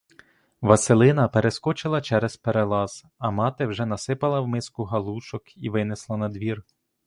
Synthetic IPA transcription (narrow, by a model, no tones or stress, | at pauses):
ʋɐselˠɪnɐpeɾeskɔt͡ʃɪlˠɐt͡ʃɛɾɛz̥peɾelˠɑz̥ | ɐmɑt̪ɪwʒɛnɐsɪpɐlˠɐwmɪskʊɦɐlˠuʃɔkiʋɪnɪslˠɐnɐd̪ʋʲir